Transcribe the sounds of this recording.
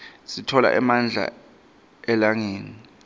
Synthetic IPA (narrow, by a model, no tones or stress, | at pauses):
sitʰɔla̰ʔɛmand͡ɮʱa̰ | ɛlaŋeːni